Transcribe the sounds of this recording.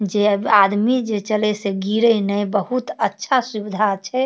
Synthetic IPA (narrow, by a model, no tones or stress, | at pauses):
d͡ʒeəbad̪mid͡ʒet͡ʃəlɛseɡiɾənɛjbəɦut̪ətːʃʰasubid̪ʱat͡ʃʰɛ